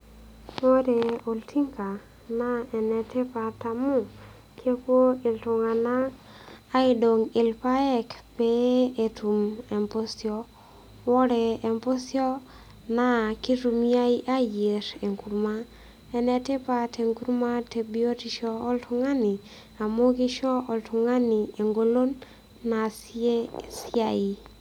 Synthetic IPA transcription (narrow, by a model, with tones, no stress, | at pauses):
o˦ɾe˨o˨ltʰi˦ŋka˨ | na˦ɛ˨nɛ˨te˦pa˨ta˨mu˦ | kʰje˦kwo˦ɪ˨lto˨ŋa˨naː˦ | i˦do˨ŋɪ˨lpa˦ɛ˦kpe˦e˨tu˨mɛ˨mpo˦sjɔ˦ | wɔ˦ɾɛ˨e˨mpo˦sjɔ˦ | na˨ki˦ɾu˨mja˦i˦ʔa˦je˨ɾe˨ŋku˨ɾma˦ | ɛ˦nɛ˨˦te˦pa˦tʰe˨ŋku˦ɾma˦te˨bi˦o˦ti˦ʃɔ˦ɔ˦ltʊ˦ŋa˦ni˨ | a˨mo˦ki˦ʃɔ˦ʔɔ˨ltʰʊ˨ŋa˦ni˨e˨ŋɡo˦lo˦nː | a˨s | si˦a˨i˨